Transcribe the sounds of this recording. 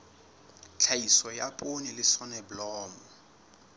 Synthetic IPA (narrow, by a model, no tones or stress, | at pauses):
t͡ɬʰaisɔjapʼonilɪsɔnɛbʊlɔːmɔ